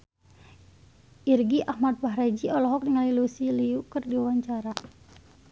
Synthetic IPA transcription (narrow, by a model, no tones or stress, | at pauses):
ʔirɡiʔahmat̪̚baɦɾad͡ʒiɔlɔɦɔk̚niŋalilusiliukɨrdiawaɲt͡ʃaɾa